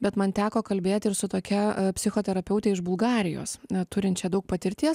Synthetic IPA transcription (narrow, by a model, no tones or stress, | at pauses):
bʲɛt̪mɐnt̪ʲæːkoːkɐlʲbʲeːt̪ʲɪɾsʊt̪oːkʲɛpʲsʲɪxoːt̪ʲɛɾɐpʲɛʊt̪ʲɛɪɪʒbʊlˠɡɑːɾʲɪjo̰ːst̪ʊɾʲɪnt̪t͡ʃʲɛd̪ɐʊk̚pɐt̪ʲɪɾʲt̪ʲiɛs